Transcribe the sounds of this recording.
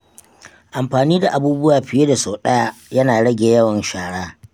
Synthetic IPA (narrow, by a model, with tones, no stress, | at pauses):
ʔa˨mɸaː˨niː˦da˨ʔa˨buː˦bʊ˦waː˨ɸɪ˨jeː˦da˨soː˨ɗɐ˦ja˦jɐ˦naː˨ɽɐ˦ɡʲeː˨jɐ˦wɐ˨nʃaː˨ɽaː˦